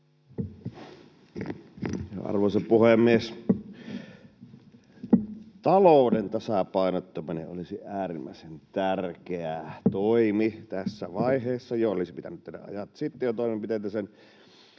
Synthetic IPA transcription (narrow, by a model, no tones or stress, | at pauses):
jo̰ɑ̰rʋosepuhemːˑies | t̪ɑloˑːdent̪ɑsɑpɑˑinot̪ːominḛʔʔolisiʔæːrimːæ̰ˑesent̪ærkeæt̪oimit̪æsːæʋɑiheːsːɑjoo̰lisipit̪æ̰nyt̪t̪ːedæ̰ʔʔɑ̰jɑt̪sit̪ːejot̪oˑimempit̪et̪æsen